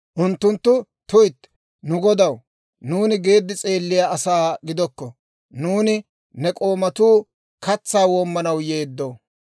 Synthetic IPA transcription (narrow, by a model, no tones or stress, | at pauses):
ʔʊnt̪ːʊnt̪ːʊ | t̪ʊjt̪ː | nʊɡɔd̪ɐw | nuːnɪɡe̞ːd̪ːɪt͡sʼe̞ːlːɪjaɐsaːɡɪd̪ɔkːɔ | nuːnɪ | nɛkʼo̞ːmɐt̪uː | kɐt͡sːaːwoːmːɐnɐwjeːd̪ːoː